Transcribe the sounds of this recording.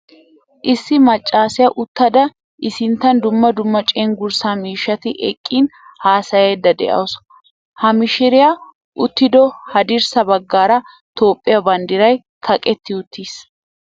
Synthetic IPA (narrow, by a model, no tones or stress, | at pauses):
ʔɪsːɪmɐt͡ʃʼːaːsɪjɐʔʊt̪ːɐd̪ɐ | ʔɪsɪnt̪ːɐnd̪ʊmːɐd̪ʊmːɐt͡ʃʼeːŋɡʊɾsamiːʃːɐt̪ɪʔɛ̰kʼːiːn | haːsɐjeːd̪ːɐd̪ɛ̰ʔɐ̰ws | hɐmɪʃɪɾɪja | ʔʊt̪ːɪd̪ɔhɐd̪ɪɾsɐbɐɡːaːɾɐ | t̪o̞ːpʼːɪjɐbɐnd̪ɪɾɐj | kʰɐkʼɛt̪ːɪʊt̪ʰːis